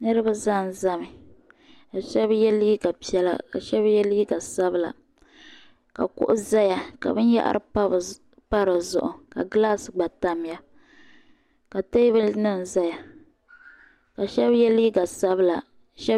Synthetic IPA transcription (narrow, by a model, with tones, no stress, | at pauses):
nɨ˦ɾɨ˦ba˦za˦˨n˨za˦mɪ˨ | ka˨ʃɛ˦bjɛ˦liː˦ɡa˨pi˨ɛ˦la̰˦ka̰˨ʃɛ˦bjɛ˦liː˦ɡa˨sa˦bɨ˦la̰˨ | ka̰˨kʊ̰˦ʔʊ˦za˦ja˨ka̰˨bɨ˦n˦ja̰˦ʔa̰˦ɾʔɨ˨pa˦˨ | pa˦ɾɨ˨zʊ̰˦ʔʊ˨ka̰˨ɡlaː˦sɨ˨ɡ͡ba˨ta˦m˦ja˦ | ka˨te˦βɨ˦nɨ˦n̩˨za˦ja˨ | ka˨ʃɛ˦bjɛ˦liː˦ɡa˨sa˦bɨ˦la˨ | ʃɛ˦